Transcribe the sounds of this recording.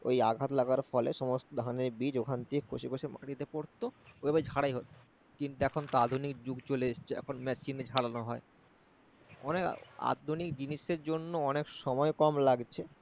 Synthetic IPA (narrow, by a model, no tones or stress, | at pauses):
o̰jaɡʱat̪laɡaɾfɔleʃɔmost̪od̪ʱaneɾbid͡ʑokʰant̪ikʰoʃikoʃemaɽit̪epoɾt̪ooebajd͡ʑʱaɽajɦot̪ | kint̪uɛkʰont̪oad̪ʱunikd͡ʑuɡt͡ɕoleeʃt͡ɕʰeɛ̰kʰonmɛsind͡ʑʱaɽanoɦɔe | ɔ̰neka̰d̪ʱunikd͡ʑiniʃeɾd͡ʑonːoɔnekʃɔmɔekɔmlaɡt͡ɕʰe